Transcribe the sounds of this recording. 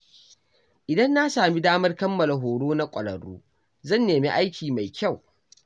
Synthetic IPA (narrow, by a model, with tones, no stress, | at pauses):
ʔɪ˨dɐ˦nːa˦saː˨mi˦daː˦mɐ˦rkɐ˦mːɐ˨la˨ɦoː˨ɽoː˦na˦kʷʼɐ˨ɽɐ̰˨ɽṵː˦ | zɐ˦˨nːeː˨mḭ˦ʔa˦jkʲiː˨ma˨jkʲa˦˨w